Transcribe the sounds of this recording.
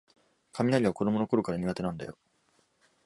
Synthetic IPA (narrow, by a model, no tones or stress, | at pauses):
kʰamʲinaɾʲiβ̞ako̞d̪o̞mo̞no̞ko̞ɾo̞kaɾaɲ̟iɡat̪e̞nãnd̪a̰jo̞̰